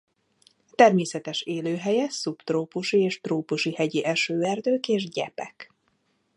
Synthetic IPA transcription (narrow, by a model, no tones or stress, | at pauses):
t̪ɛrmeːsɛt̪ɛʃeːløːɦɛjɛsupt̪roːpuʃieːʃt̪roːpuʃihɛɟiʔɛʃøːɛrd̪øːkeːʒɟɛ̰pɛk